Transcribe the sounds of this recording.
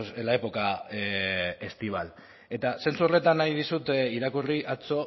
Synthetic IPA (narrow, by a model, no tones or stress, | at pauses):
selae̞po̞ka | e̞st̪iβ̞al | e̞t̪ase̞nt͡sure̞t̪anːaið̞isut̪iɾakuriʔat͡so̞